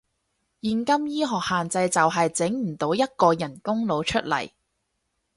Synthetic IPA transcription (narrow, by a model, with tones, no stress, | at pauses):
jiː˧nkɐ˥mjiː˥ɦɔː˨k̚haː˨nt͡sɐ˧jt͡sɐ˨wɦɐ˨jt͡sɪ˨˥ŋm̩˨˩t̪o˨˧˥wjɐ˥t̚kɔː˧jɐ˨˩nkʊ˥ŋlo˨˧wt͡ʃʰɵ˥t̚lɐ̰˨˩j